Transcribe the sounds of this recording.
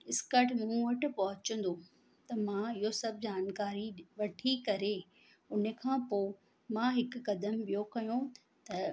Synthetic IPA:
ɪskəʈmũʋɐʈʊ̆pɐɦʊt͡ɕə̃nd̪o | t̪ɐmãːɪɦosɐbɪd͡ʑaːnkaːɾiʋɐʈʰikɐɾe | ʊn̤əkʰãːpoː | mãːɦɪkʊːɐd̪əmɓijokɐjõ | t̪ɐ

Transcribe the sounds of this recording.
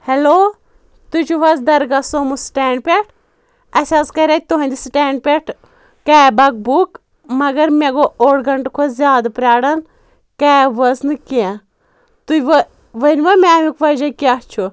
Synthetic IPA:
heloː | t̪ut͡ʃuʋɐzd̪ɐɾɡasomusʈɛːɳɖ̚pʲeʈʰ | ɐsʲazkɐɾʲat̪̚ʲt̪uɦɐ̃nʲd̪isʈɛːɳɖ̚pʲeʈʰ | kabɐk̚buk | mɐɡɐɾmeɡooːɽɡɐɳʈkʰozjaːd̪pɾʲaːɽɐn | kaʋɐznɨkiẽ | t̪uʋ | ʋɐnʋɐmemikʋɐd͡ʒɐkiat͡ʃʰu

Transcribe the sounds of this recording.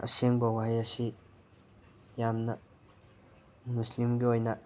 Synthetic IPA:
ʔɐ̰seŋbɐwajɐsi | jamnɐ | muslimɡiojnɐ

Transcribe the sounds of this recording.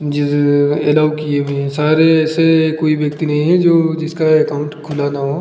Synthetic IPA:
d͡ʒɪɛlaːʋkiebẽɦɛ̃saːɾeːsekoːiʋjɐk̚t̪inɐɦĩɦɛ̃d͡ʒoːd͡ʒɪskaekaʊ̃ɳʈkʰʊlanaɦoː

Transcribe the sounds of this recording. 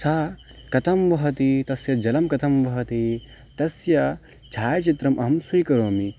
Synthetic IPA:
saː | kɐt̪ʰɐmʋɐɦɐt̪it̪ɐsjɐd͡ʒɐlɐmkɐt̪ʰɐmʋɐɦɐt̪i | t̪ɐsjɐ | t͡ʃʰaːjt͡ʃit̪ɾɐmʔɐɦɐmsujkɐɾoːmi

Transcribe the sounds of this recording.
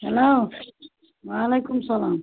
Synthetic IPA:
hɐlow | ʋaːleːkʊmsɐlaːm

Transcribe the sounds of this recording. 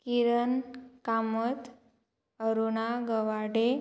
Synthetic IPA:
kiɾənkamət̪ | əɾunaɡəʋaɽe

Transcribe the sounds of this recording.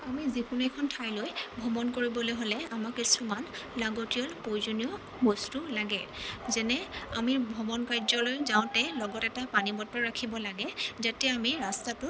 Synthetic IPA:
amizikunɛkʰɔntʰajlojbʱɔbɔnkoɹibɔlojɦolɛamakisumanlaɡotiɔlpojzuniɔ | bɔstulaɡɛzɛnɛamibʱɔbɔnkajzɔlojzaʊ̃tɛlɔɡɔtɛtapanibɔtɔɹakʰibɔlaɡɛzatɛamiɹastatʊ

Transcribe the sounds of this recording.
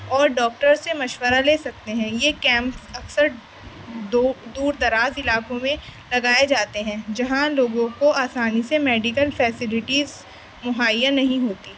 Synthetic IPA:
ɔːɾɖɔːk̚ʈəɾsːemɐʃwəɾaleːsɐk̚t̪eɦɛ̃jekɛ̃ːmpsɐksəɾ | d̪uːɾd̪ɐɾaːzɪlaːkõmẽlɐɡaːed͡ʒaːt̪eɦɛ̃ːd͡ʒɐɦãloːɡõkoaːsaːnisemɛːɖɪkəlfɛːsɪlɪʈiːz | mʊɦaːijãnɐɦĩɦoːt̪iː

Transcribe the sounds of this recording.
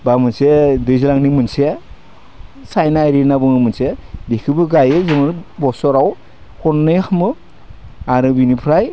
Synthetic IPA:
bamɯnsedɯjzilaŋnimɯnse | sajnaɾinabɯŋɯmɯnsedikʰɯbɯɡajɯzɯmɯɾbɔsɔɾaw | hʰɔnːɯjxʰamɯ | aɾɯbinipʰɾaj

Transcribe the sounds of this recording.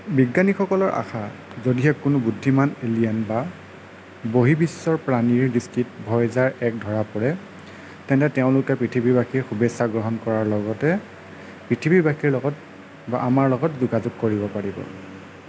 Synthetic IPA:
biɡːanixɔkɔlɔɹa̰xʰa | zodiɛkːʊnʊbudʱːimanelijanba | boɦibisːɔɹpɹaniɹdiskɹit̚bʱɔjzaɹɛk̚dʱɔɹapɔɹɛ | tɛntɛtɛʊ̃lʊkɛpɹitʰibiɹbakiɹxubesaɡɹɔɦɔnkɔɹaɹlɔɡɔtɛ | pɹitʰibiɹbakiɹlɔɡɔt | baʔamaɹlɔɡɔtzuɡazʊɡ̚koɹibɔpaɹibɔ̰

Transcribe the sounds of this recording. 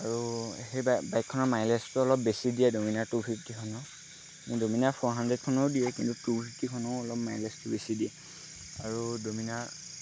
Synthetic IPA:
aɹuɦejbbajkʰːɔnɔɹmajlɛstuɔlɔp̚besidijɛdominaɹtupʰiptikʰɔnɔ | midominapʰɔɹɦandɹɛd̚kʰɔnɔwdijɛkḭntutupʰiptikʰɔnɔʊɔlɔpmajlɛstʊbesidiɛ | aɹudominaɹ

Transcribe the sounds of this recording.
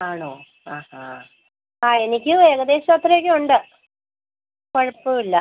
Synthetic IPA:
aːɳoː | aːha̰ | aːenikʲːueːɣɐd̪e̞ːɕɐmot̪ːrɐjokʲːeuɳɖɨ | koɻipːɨilːɐ

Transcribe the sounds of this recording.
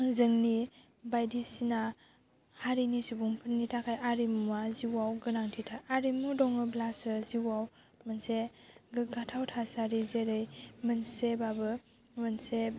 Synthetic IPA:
zɯŋni | bajdisina | haɾinisubuŋpʰɯnːitʰakʰajʔaɾimuaziwawɡɯnaŋtʰitʰaʔaɾimudɔŋɯblasɯziwaw | mɯnseɡɯɡatʰawtʰasaɾizeɾɯjmɯnsebabɯ | mɯnse

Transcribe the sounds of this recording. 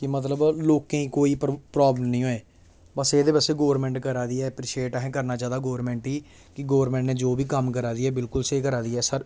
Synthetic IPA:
kɪmət̪̬ləbloːkẽːĩːkoːiːppɾaːbləmnĩːoeː | bəseːd̪eːʋəseːɡoːɾmɛ̃ːɳʈkəɾaːd̪iːɛːpɾɪʃeːʈɛɦɛ̃ːkəɾnaːd͡ʒjaːd̪aːɡoːəɾmɛ̃ːɳʈɦiː | kɪɡoːʋəɾmɛ̃ːɳʈneːd͡ʒoːbiːkəmk̬əɾaːd̪iːɛːbɪlkʊlseːkəɾaːd̪iːɛːsəɾ

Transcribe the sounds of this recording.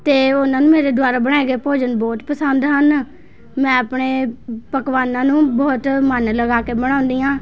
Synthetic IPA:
t̪eːʊnãːnũːmeːɾeːd̪ʊaːɾaːbəɽ̃aːeɡeːpoːd͡ʒənbɔːt̪pəsənd̪ɦən | mɛ̃ːəpɳeːpəkʋaːnãːnũːbɔːt̪mənləɡaːkeːbəɽ̃aːʊnd̪iːãː

